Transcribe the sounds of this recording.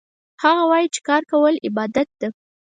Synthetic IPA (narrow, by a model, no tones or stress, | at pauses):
haɣawɑjit͡ʃe̥kɑɾkawəlɪbɑd̪at̪̚d̪̥e